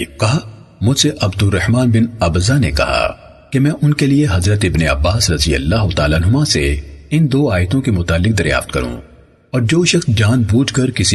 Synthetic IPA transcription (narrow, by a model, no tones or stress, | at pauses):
kɐɦa | mʊd͡ʒseʔɐbd̪ʊrːɐhmaːnbɪnɐbzanḛkɐ̰ɦa̰ | kemɛ̃ːʔʊnkelieɦɐzɾət̪ɪbneɐbːaːsɾɐzijɐ̰lːaːɦʊt̪aːlaːnɦʊmãsḛɪnd̪oːaːjt̪õkemʊt̪aːlːɪk̚d̪ɐɾja̰ːft̪̚kɐɾṵ̃ | ɔːɾd͡ʒoːʃɐxsd͡ʒaːnbuːd͡ʒkɐɾkɪsi